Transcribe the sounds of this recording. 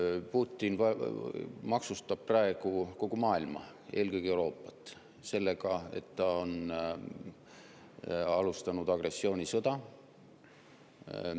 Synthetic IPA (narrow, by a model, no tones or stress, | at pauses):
puːt̪ʲːˑinvɑ | mɑksust̪ɑb̥̚prɑe̞ɡ̥uko̞ɡ̥umɑːilmɑ̰ | e̞ːlkø̞jɡ̥iewɾo̞ːpːˑɑt̪ːˑ | se̞lːe̞ɡ̥ɑe̞̰t̪ːɑon | ɑlust̪ɑnud̪̥ɑɡ̥re̞sːio̞ːnʲisɤd̪̥ɑ